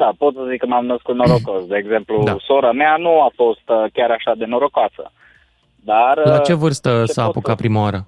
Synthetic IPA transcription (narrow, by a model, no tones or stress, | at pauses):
d̪apo̞t̪səzikːəmamnəskut̪̚noɾokosd̪e̞ːɡze̞mplud̪asoɾameanuafo̞st̪kʲaɾaʃad̪e̞noɾokoasə̰ | d̪arlat͡ʃe̞vɨrst̪əsaːpukapɾimawaɾə